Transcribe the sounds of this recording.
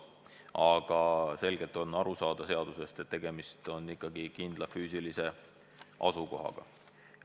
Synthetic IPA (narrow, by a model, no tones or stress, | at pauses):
ʔɑɡ̥ɑse̞lɡ̥e̞lt̪ːˑo̞nːɑɾusɑːd̪̥ɑse̞ɑd̪̥use̞st̪e̞t̪ːe̞ɡ̥e̞mist̪o̞nːikːˑɑɡ̥ikind̪̥lɑfyːsilise̞ | ʔɑ̰suko̞̰ɦɑ̰ɡ̥ɑ̰